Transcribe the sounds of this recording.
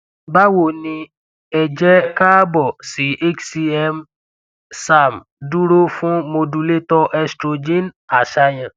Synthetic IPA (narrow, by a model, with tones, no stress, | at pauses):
ba˦wo˦˨nĩ˧ | ɛ˨d͡ʒɛ˦ka˦bɔ˦˨si˨˦ʔe˦ksi˧ɛ˧m | sa˨m˨ | du˦ɾo˦fũ˦mo˧du˧le˦tɔ˦ʔɛ˧stɾo˧d͡ʒẽ˦na˨ʃa˧j̃ã˨